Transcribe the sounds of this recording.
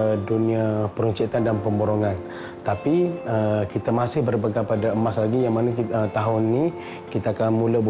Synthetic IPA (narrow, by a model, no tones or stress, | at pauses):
duniapəɾuɲt͡ʃit̪andanpəmboɾoŋan | t̪apiəkit̪amasɪhbərbəɡapadaəmaslaɡijaŋmanakət̪aɦʊnːi | kit̪aakanmuləb